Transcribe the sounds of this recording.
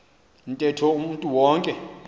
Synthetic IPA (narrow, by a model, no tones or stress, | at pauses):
ntʼɛtʰɔumuntʼuwɔːŋkʼɛ